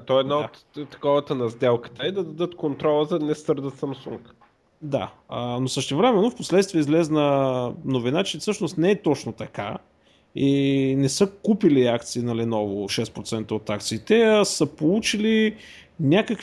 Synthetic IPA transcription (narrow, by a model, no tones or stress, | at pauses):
t̪ɔɛd̪naot̪ | t̪ːɐ̥kɔvət̪ənɐzd̪ɛlˠkə̥t̪əɛd̪ɐd̪ɐd̪ɤt̪kont̪ɾɔlˠəzɐnɛsɤɾd̪ət̪sɐmsuŋk | d̪a̰ənosəʃt̪ɛvɾɛmɛnːofposlɛt̪st̪viɛizlɛznɐnovinat͡ʃɛfsɤʃnost̪nɛɛt̪ɔt͡ʃnot̪ɐka̰ | inɛsɤkupiliakt̪siːnɐlɛnɔvoʃɛspɾot̪sɛnt̪əot̪ak̚t̪siːt̪ɛɐsəpolˠut͡ʃili | nʲakək